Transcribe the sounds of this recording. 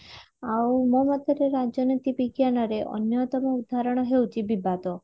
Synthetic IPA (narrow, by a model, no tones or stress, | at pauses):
aumɔmɔt̪əɾeɾad͡ʒjɔnət̪ipikjanɔɾeʔɔ̰njɔt̪ɔmɔud̪ʱaɾɔɽ̃ɔɦewt͡ʃʰibibat̪o